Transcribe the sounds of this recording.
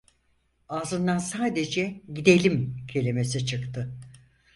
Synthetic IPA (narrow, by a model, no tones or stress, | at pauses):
aːzɯnd̪ansaːd̪e̞d͡ʒɛɟid̪e̞lʲimcʰe̞lʲime̞sit͡ʃʰɯkt̪ʰɯ